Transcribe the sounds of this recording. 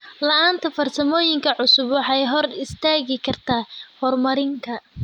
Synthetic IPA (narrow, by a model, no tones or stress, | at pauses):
lɐʔaːnt̪ʰɐfɐrsɐmɔːjɪŋkʰɐʕʊsʊbwɔħɑjɦɔrɪst̪ʰaːɣɪkʰɐrt̪ʰaːhɔrmɐɾɪŋkʰɐ